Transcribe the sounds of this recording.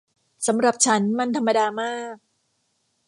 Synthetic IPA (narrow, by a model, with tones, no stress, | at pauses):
sa˩˦mɾa˨˩p̚t͡ɕʰa˦˥nma˧nt̪ʰa˧mːa˧daː˧maː˥˩k̚